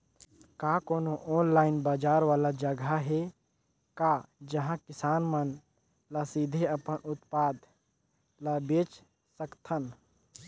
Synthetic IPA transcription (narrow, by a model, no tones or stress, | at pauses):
kaːkoːnoʔɔːnlaːɪnbaːd͡ʒaːɾʋaːlad͡ʒəɡʱaɦɛ | kad͡ʒɐɦãkɪsaːnmən | lasid̪ʱeəpənʊt̪paːd̪ | labeːt͡ʃ | səkt̪ʰən